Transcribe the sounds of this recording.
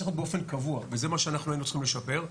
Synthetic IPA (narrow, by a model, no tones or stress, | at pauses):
iχot̪̚beo̞fe̞nkavuaveze̞maʃeanaχnuajinut͡sχimleʃape̞ʁ